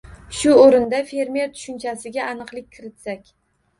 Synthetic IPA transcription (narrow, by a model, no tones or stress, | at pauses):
ʃʊoɾɪnd̪afe̞ɾme̞ɾt̪ʰʊ̥ʃʊnt͡ʃʰasɪɡʲaanɨqlˠɪkʲkʰːɪɾɪt̪sakʲ